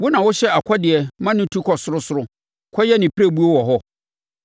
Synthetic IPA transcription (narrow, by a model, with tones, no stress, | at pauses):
wʊ˦nã˨wʊ˦ɕɛ˦a˨kʷʰɔ˦dɪ˨ɛ˨mã˦nʊ̃˦tʰu˦kʰɔ˨sʊ˦ɾʊ˦sʊ˦ɾʊ˦ | kʰɔ˦jɛ˦nɪ̃˨pʰɾe˦˨bu˦o˦wɔ˨ɦɔ˦